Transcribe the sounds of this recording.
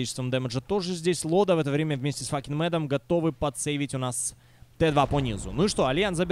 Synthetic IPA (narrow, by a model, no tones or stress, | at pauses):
it͡ɕɪ̥st̪vəmd̪ɛmʲɪʐət̪o̞ʐɨzʲdʲesʲlˠo̞d̪əvɛt̪əvɾʲemʲəvmʲesʲtʲɪsfakʲɪnmɛd̪əmɡɐt̪o̞vɨpɐt̪sejvʲɪtʲʊnas | t̪ɛd̪vaponʲizʊ̰nuɪʂt̪oɐlʲjanzɐbʲɪ